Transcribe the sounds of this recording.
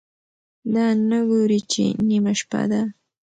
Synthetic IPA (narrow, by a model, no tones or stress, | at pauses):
d̪anaɡuɾɪt͡ʃɪ̰nɪmaʃpa̰d̪a